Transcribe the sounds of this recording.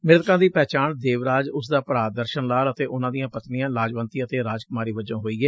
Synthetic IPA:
mɪɾt̪kãːd̪iːpɛːt͡ʃaːɳd̪eːʋɾaːd͡ʒʊsd̪aːpɾaːd̪əɾʃənlaːlət̪eːʔʊnãːd̪ijãːpət̪nijãːlaːd͡ʒʋə̃nt̪iət̪eːɾaːd͡ʒkʊmaːɾiːʋəd͡ʒãːɦoːiːɡeː

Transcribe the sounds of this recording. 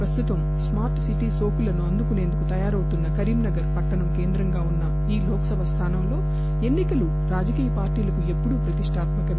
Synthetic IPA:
pɾɐst̪ut̪ɐm | smaːɾʈsiʈiːsoːkulɐnuɐnd̪ukune̞ːnd̪ukut̪ɐjaːɾɐwut̪unːɐkɐɾiːmnɐɡɐɾpɐʈːɐɳɐmke̞ːnd̪ɾɐŋɡaːunːɐ | iːlɔːkɐsɐbʱɐst̪ʰaːnɐmlo̞ː | e̞nːikɐlu | ɾaːd͡ʒɐkiːjɐpaːɾʈiːlɐkue̞pːuɽupɾɐt̪iʂʈʰaːt̪mɐkɐ

